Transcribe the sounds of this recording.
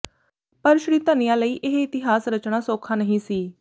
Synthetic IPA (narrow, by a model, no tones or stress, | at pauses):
pəɾʃɽiːt̪ənijãːləiːʔɪɦɪt̪ɪɦaːsɾət͡ʃɽ̃aːsoːkʰaːnəɦĩːsiː